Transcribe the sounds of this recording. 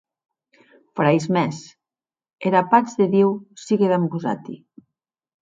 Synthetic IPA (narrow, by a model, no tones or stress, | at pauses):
fɾajzmɛs | eɾapazðeðiwsiɣeβɛmɡuza̰t̪ḭ